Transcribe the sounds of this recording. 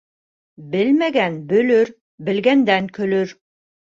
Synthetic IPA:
bɘlmæɡænbɵ̆lɵɾ | bɘ̆lɡænd̪æŋkɵ̆lɵɾ

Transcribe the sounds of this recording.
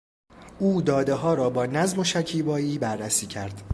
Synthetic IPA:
uːd̪ɒːd̪eɦɒːɾɒːbɒːnæzmo̞ʃæcʰiːbɒːjiːbærːæsiːcʰæɾd̪̥

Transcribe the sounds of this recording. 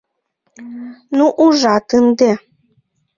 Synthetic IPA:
nuʔuʒɑt̪ɨnd̪e

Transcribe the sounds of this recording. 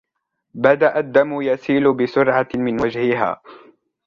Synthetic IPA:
bad̪aʔad̪ːamʊjasiːlʊbɪsʊɾʕamɪnwad͡ʒhɪɦa̰ː

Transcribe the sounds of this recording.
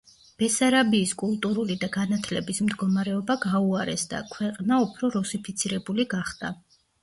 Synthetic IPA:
b̥ɛsaɾabiːskʼulˠt̪ʼuɾulid̪aɡanat̪ʰlɛbismd̪ɡɔmaɾɛɔbaɡauaɾɛsd̪a̰kʰwɛqʼnaupʰɾɔɾusipʰit̪sʰiɾɛbuliɡaχd̪a

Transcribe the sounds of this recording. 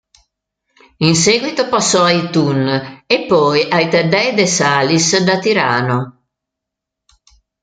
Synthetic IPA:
inseɡwit̪opasːɔajt̪unepːɔjʔajt̪ɛdɛd̪esaːlisd̪at̪iɾa̰ːno

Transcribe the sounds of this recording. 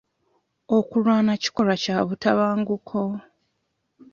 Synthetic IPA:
okulwaːnaci̥ko̞lacaβutaβaːŋɡukʰo

